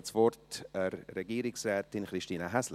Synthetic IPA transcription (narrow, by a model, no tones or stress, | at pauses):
t͡svɔɾtəɾːɛɡiːɾɪksrɛːtɪnχɾiʃtiːnəɦɛsl